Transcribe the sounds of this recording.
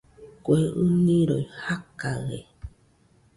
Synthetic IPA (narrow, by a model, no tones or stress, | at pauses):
kʷeʔɨnĩɾojhakaɣḛ